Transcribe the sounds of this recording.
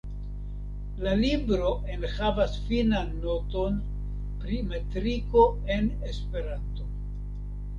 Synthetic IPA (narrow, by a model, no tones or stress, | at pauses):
lalibɾo̞ʔe̞nhavasfinanːo̞to̞n | pɾimetɾiko̞e̞ne̞spe̞ɾanto̞